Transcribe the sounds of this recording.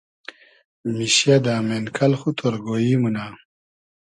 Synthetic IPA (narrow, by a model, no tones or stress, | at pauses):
miɕjad̪aːmenkʰɐlxut̪ʰoɾɡojiːmuna